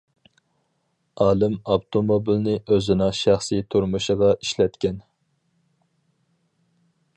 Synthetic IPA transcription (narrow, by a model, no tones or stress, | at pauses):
ɑːlˠɨmɑpt̪ʰomobilnɪʔøzɪnɑŋʃæχsijt̪ʰuɾmuʃəʁɑiʃlɛt̪kʲɛn